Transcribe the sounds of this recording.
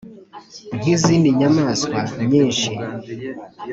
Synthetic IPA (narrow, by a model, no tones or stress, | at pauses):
ŋ̥iziːndiɲamaːskwaɲiːnʃi